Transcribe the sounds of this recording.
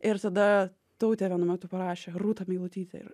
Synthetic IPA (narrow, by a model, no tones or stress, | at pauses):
ɪɾt̪ɐd̪ɐ | t̪oʊt̪ʲeːʋʲɛnʊmʲɛt̪ʊpɐɾɑːʃʲeːruːt̪ɐmʲiːlˠʊt̪ʲiːt̪ʲɪ̰ɪ̰ɾ